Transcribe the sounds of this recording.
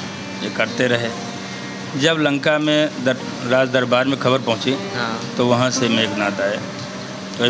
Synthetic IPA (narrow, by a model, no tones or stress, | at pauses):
jekɐɾt̪eɾɐɦe | d͡ʒɐblɐ̃ŋkamẽd̪ | ɾaːd͡ʒd̪əɾbaːɾmẽkʰɐbəɾpɐɦʊ̃t͡ʃiɦt̪oʋɐɦãsemeːknaːd̪aːeː | t̪o